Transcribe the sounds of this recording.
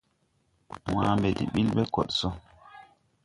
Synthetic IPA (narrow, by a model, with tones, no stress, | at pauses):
w̃aː˦mbɛ˨dḭ˨ɓi˦lɓɛ˦kɔ̰˨ɗsɔ˦